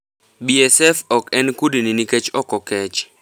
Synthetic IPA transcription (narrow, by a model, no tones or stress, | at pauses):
biɛsɛfɔkɛnkudininikɛt͡ʃɔkɔkɛt͡ʃ